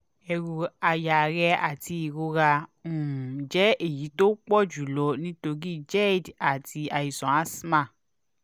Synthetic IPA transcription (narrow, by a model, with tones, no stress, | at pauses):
ɛ˧ɾu˧a˧ja˨ɾɛ˧a˨ti˧i˨ɾo˧ɾa˧ũ˨d͡ʒɛ˨˦e˦˨ji˨˦to˦k͡pɔ˦˨d͡ʒu˨lɔ˨˦nĩ˦to˧ɡi˦d͡ʒɛ˦˨da˨ti˧a˧˨i˨sɔ̃˨ã˦sma˦˨